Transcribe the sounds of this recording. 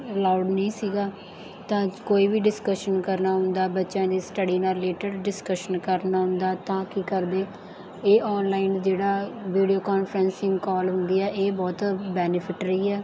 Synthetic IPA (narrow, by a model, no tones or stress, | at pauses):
laːʊɖnəĩːsiːɡaː | t̪ãːkoːiːbiːɖɪskəʃənkəɾnaːɦʊ̃nd̪aːbətːʃãːd̪iːsʈəɖiːnaːleːʈəɖɖɪskəʃənkəɾnaːɦʊ̃nd̪aːt̪ãːkikəɾd̪eː | eːʔɔːnlaːind͡ʒeːɽaːʋiːɖijoːkaːnfʰɾə̃nsɪ̃ŋɡkɔːlɦʊnd̪iːɛːʔeːbɔːt̪bɛːnɪpʰɪʈɾəiːɛː